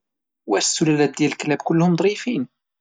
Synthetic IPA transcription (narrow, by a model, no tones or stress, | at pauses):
wæsːʊlælæt̪̚d̪jælklæbkʊlːhʊmd̪ˤɾifiːn